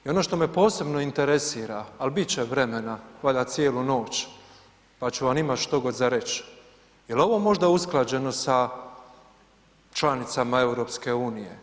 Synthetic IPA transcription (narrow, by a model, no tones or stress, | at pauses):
io̞no̞ʃt̪o̞mepo̞ːse̞bno̞int̪eɾesiːɾaːlbit͡ɕeʋɾe̞menaaʎasjeːluno̞ːt͡ɕ | pat͡ɕuʋamimat̪ʃt̪o̞ɡo̞d̪zaɾe̞t͡ɕ | jelo̞ʋo̞mo̞ʒd̪ausklˠad͡ʑe̞no̞sa | t͡ʃlanit̪samae̞wuɾo̞ːpske̞uːnijḛ